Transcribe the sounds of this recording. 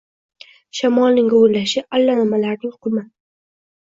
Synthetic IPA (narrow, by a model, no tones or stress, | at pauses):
ʃamɒlnɪŋɪʊɾlaʃɪalːanɪmalaɾnɪŋqʰʊma